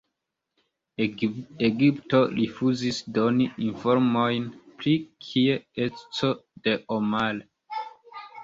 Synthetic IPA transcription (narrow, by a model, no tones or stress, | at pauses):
eɡiptoɹifuzisdoniĩɱfoɾmojnpɾikʰietsodeʔomal